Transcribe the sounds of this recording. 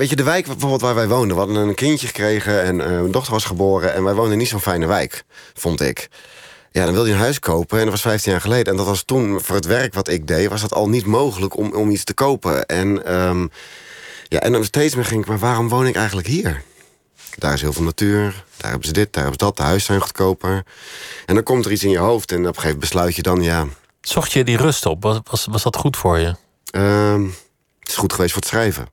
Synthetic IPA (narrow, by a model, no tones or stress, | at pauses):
ʋeːtədəʋɛjkbəfoːbəlˠtʋaːɹʋɛjʋowndəʋhɑdənənnkɪncjəχə̥kreːɣəɛnmɛndɔxtərʋɔsχəboːɾəɛnʋɛjʋowndənitsoːnfɛjnəʋɛjkfɔntɪ̰k | ja̰dɔnʋɪlˠdiənɦœɥskʰowpəɛndɔtʋɑsfɛjftinjaːɹχəlejdəɛndɔtʋɔstunfʊːrətʋɛrkʋɔtɪk̚dejʋɔsdɔtʰɔ̰lˠnitmowɣələkɔmistəkowpə̰ɛnəm | ja̰ʔɛ̰ndɔnstejtsmɪχɪŋɪkmaɹʋaːrɔmʋownɪkɛjxəntləkɦiːɹ | d̥a̰ːrɪsɦiːlˠvɪːlˠnatyːɹd̥a̰ːrɦɛ̰bəzədɪt̚d̥a̰ːrɔpsdɔt̚dəɦœɥsɛjnχu̥tkowpə | ʔɛndɔnkɔmtərisɪnjəɦowftɛnɔpχeːvəbəslœɥtjədɔnja | sɔχtjədirɵstɔpʋɑsʋɑsdɑtχutfʊːɹjə | əm | tɪ̥sχutχəʋejstfʊːɹətsrɛjvə̰